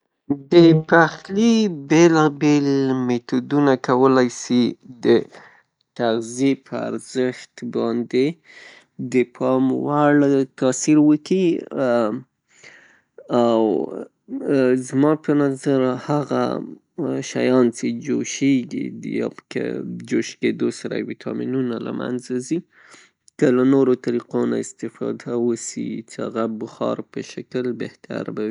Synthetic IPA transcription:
d̪əpaxlibelɑbelmet̪ud̪unakawəlajsid̪ə | t̪aɣzijepʰəa̰ɾzəxt̪bɑnd̪e | d̪əpʰɑmwaɭt̪ɑsiɾwəki | aw | zmɑpənazaɾhaɣa̰ | ʃajɑnt͡sed͡ʒoʃeɡḭd̪əjpkə̰d͡ʒoʃked̪osaɾa̰wit̪ʰɑminunala̰mʔa̰nzazi | kəlanoɾot̪aɾiqona̰ɪst̪ɪfɑ̰d̪awəsḭt͡sehaɣabʊxɑ̰ɾpəʃakəlbeht̪a̰ɾbawi

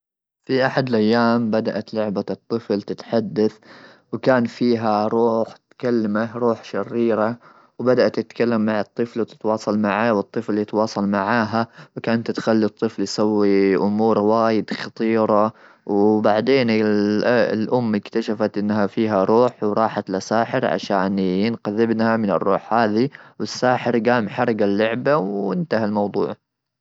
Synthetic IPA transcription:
fiʔaħad̪ɪlʔajːaːmbad̪aʔat̪lʊʕbat̪ˤːɨflt̪ɪt̪ħad̪ːaθ | wkaːnfiːɦaɾˤuːħt̪kalːamaɾˤuːħʃɪrːiːɾa | wbad̪aʔat̪ːɪt̪kalːamːaʕɨt̪ˤːɨflwt̪ɪ̥t̪wɑːsˤɑlmaʕaːwɨt̪ˤːɨfljɪt̪wɑːsˤɑlmaʕaːɦawkaːnt̪t̪xalːit̪ˤːɨfljsawːiʔʊmuːɾwaːjɪd̪xɑt̪ˤiːɾˤɑ | wbaʕd̪eːnɪllʔʊmːɪkt̪aʃafat̪ʔɪnːɦafiːɦaɾˤuːħwɾˤɑːħat̪lasaːħɪɾʕa̰ʃaːnɪnqaðɪbnhamɪnɪ̰rˤːuːħhaːðiwɪsːaːħɪɾɡaːmħɑɾˤɡalːʊʕbawɪnt̪ahalmɑwd̪ˤṵːʕ

